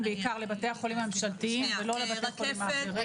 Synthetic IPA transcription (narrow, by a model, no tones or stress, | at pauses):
nbeikaʁle̞bate̞aχolimamemʃaltiimvelo̞le̞bat̪e̞aχo̞limaːχeʁi